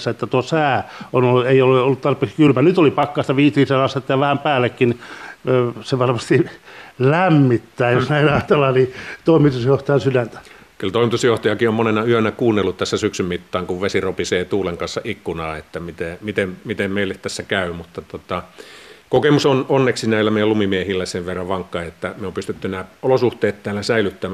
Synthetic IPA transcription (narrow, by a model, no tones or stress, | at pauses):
sːæet̪ːæt̪uosæːonoeiolːeolːut̪t̪ɑrpˑeːkskylmænyt̪olipɑkːɑst̪ɑʋiːt̪riːseɑst̪et̪ːɑjɑʋæhæmpæːlːekːini | seʋɑrmɑst̪ilæmːit̪ːæːjosnæinɑt̪ɑlɑnit̪oˑimit̪usjoht̪ojɑsylænt̪æ̥ | kylt̪oˑimit̪usjoht̪ɑjɑkiomonenɑyønɑkuːnːelːut̪t̪æsːæsyksymmit̪ːɑːŋkuʋʋesiropiseːt̪uːleŋkɑnsːɑʔikːunɑːet̪ːæmit̪emit̪emmit̪emmeˑilːet̪t̪æsːækæˑymut̪ːɑt̪ot̪ɑkokemusononːeksinæˑilːæmeijælumimiehilːæseʋʋerːɑʋʋɑŋkːɑiet̪ːæmeompyst̪yt̪ːynæolosuht̪eːt̪t̪æːlːæsæilyt̪ːæmː